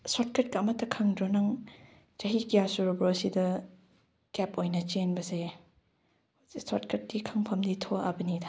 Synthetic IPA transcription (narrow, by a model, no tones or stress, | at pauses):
sot̚kʰɐt̚kɐːmɐtːɐkʰɐŋdɾonɐŋ | t͡ʃɐɦikijasuɾubɾosidɐ | kepojnɐt͡ʃenbɐse | isot̚kʰɐt̚dikʰɐŋpʰɐmditʰoɐ̰bɐnidʰa